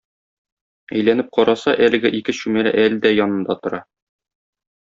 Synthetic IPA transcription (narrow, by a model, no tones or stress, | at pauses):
æ̰jlænɘp̚qʰɒɾɑsɑʔælɘ̆ɡɘʔikɘɕʉmælæ̰ʔæld̪æjɒnɤ̆nd̪ɑt̪ŏɾɑ